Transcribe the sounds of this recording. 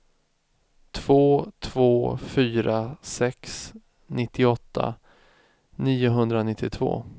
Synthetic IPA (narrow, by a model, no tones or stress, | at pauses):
t̪ʰv̥oːt̪ʰvoːfyːɾasɛks | nʔɪt̪ʰːɪɔt̪ʰːa̰ | niːʊɦɵnd̪ɾanɪt̪ʰːɪt̪ʰvo̰ː